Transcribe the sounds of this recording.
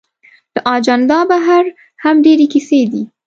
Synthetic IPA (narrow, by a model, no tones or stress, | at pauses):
d̪̥əʔɑd͡ʒand̪ɑbaɦaɾ | hamɖeɾekised̪i